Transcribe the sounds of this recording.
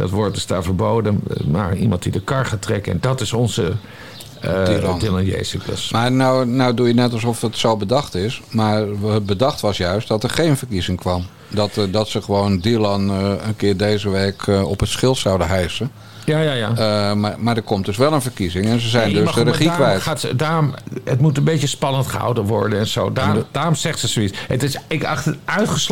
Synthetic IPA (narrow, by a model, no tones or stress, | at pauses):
d̥ɑ̰tʋɔːɹt̚əsta̰ːvəɹbowdəma̰ɹimɑ̰̃nt̚didəkɑɹχatrɛkəɛ̰ndɑtɪsɔnzə | dlndilanjḛjsəkə̰smaːɹnownowdujənɛtɑlˠsɔfətsowbədɑχtɪsmaːɹəbədɑχtʋɑsjœɥst̚dɑtəɹχejnvəɹkizɪŋkʋɑm | dɔtdɑtsəχəʋowndilɑnənkɪːrdejzəʋeːkɔpɦətsχɪlˠtsawdəɦɛjsən | jajajamamaːɹdəɹkɔmtdɵsʋɛlˠənvərkizɪŋɛnzəzɛjndøsdərəχikʋɛjtatdaːrmətmutənbejəspɑnəntχəɦa̰wdəʋɔ̰ɹdənɛnz̥o̰wdadaːrɔmzɛχtsəsoisətɪsɪkɑχtəœɥtχəs